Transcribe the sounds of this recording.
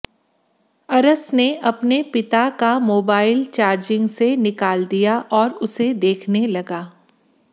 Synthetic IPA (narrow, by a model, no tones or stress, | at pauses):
ɐɾəsneʔɐpnepɪt̪akamoːbaːɪlt͡ʃaːɾd͡ʒɪ̃ŋɡsenɪkaːld̪ijaʔɔːɾʊsed̪eːkʰnelɐɡaː